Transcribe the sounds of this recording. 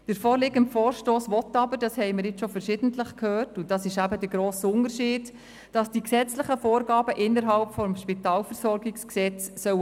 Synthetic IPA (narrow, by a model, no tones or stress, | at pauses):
d̥əɾfoːɾlɪɡəntfoːɾʃtoːsʋɔtːɑbəɾd̥ɑshɛɪməɾɪt͡sʃɔfəɾʃɪd̥əntləχkʰhøːrtʊd̥ɑsɪʃæbədəɾɡɾoːsʊntəɾʃiːd̥ | d̥ɑsd̥iksɛt͡slɪχəfoːɾɡɑːbəʔɪnːəɾɦɑlpfɔmʃpitɑːlfəɾsɔɾɡɪksksɛt͡sːœw